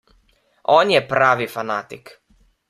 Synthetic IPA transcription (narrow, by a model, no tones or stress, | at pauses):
oːnjɛpɾaːʋifanat̪ik